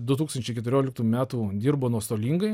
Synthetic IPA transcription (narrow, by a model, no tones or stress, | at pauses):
d̪ʊt̪uːkst̪ɐnʲt͡ʃʲɛɪkʲɛt̪ʊɾʲoːlʲɪk̚t̪uːmʲæːt̪uːd̪ʲiːɾboːnuɔst̪oːlʲiːŋɡɐɪ